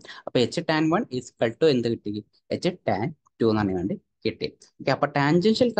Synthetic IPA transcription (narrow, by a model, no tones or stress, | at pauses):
ɐpːoːet͡ɕːɨʈaːnʋɐɳispeɭʈːoend̪ɨkiʈːikʲːi | et͡ɕːɨʈaːn | tuːnɐnːiʋeːɳɖɨ | kiʈːḭ | okːeɐpːoːʈaːɲd͡ʑenʂɐlk